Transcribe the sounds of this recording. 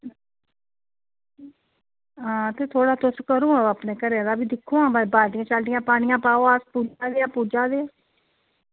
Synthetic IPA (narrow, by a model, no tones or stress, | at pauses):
ɦãːt̪eːt̪ʰoːɽaːt̪ʊskəɾõːaapneːkəɾeãd̪aːbiːd̪ɪkʰːõːãːbabaːʈɪjãːt͡ʃalɖɪjãːpaːɽɪjãːpaːoaspuːd͡ʒaːd̪eːaːpuːd͡ʒaːd̪eːaː